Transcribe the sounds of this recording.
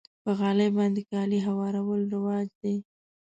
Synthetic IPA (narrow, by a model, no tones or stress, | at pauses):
pəɣɑləjbɑnd̪ekɑliɦawɑɾawəlɾawɑzd̪e